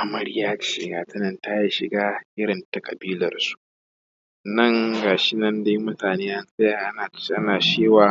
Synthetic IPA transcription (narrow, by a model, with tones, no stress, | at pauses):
ʔa˨mɐ˦ɽjaː˦˨ʃɪ̰˨ɡaː˨tɪ˦nɐ˨nta˦ja˦ʃɪ˨ɡaː˦ʔɪ˦ɽɪ˨nta˦kʼɐ̰˨biː˦lɐ̰˨rsu̥˨˦ʔ | nɐ˦˨ŋɡaː˨ʃɪ˦nɐ˦nda˦jmʊ˦taː˨neː˦ʔa˦˨nsʼe˦˨ʔa˦a˨ʔa˦naː˨t͡ʃeː˦waː˨